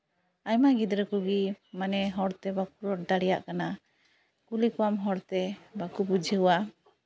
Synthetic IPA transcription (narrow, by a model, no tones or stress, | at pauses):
ajmaɡid̪ɾəkuɡimanɛɦɔɽt̪ɛbakuɾɔʈ̚d̪aɽɛja̰ʔkana | kulikuwamɦɔɽt̪ɛbakubud͡ʒʱəuwa